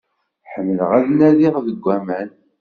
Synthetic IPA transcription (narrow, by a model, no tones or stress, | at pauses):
ħəmːələʁæðnæliʁðəɡʷːæmæn